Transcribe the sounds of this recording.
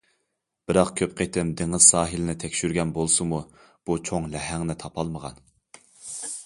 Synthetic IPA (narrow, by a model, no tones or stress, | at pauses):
b̥ɪɾɑqkʲʰøp̚qʰet̪ʰɪmd̪eŋɨz̥sɑːɦɨlɪnɪt̪ʰɛkʲʃyɾɡʲɛnbolˠsɨmu | b̥ut͡ʃʰoŋlɛɦæŋnɪt̪ʰɑpʰɑlˠməʁɑ̰n